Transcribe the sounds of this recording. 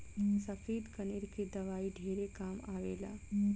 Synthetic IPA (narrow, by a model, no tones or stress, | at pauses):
sɐfʰeːd̪kəneɾked̪ɐʋaːiɖʱeːɾekaːmaːʋeːla̰ː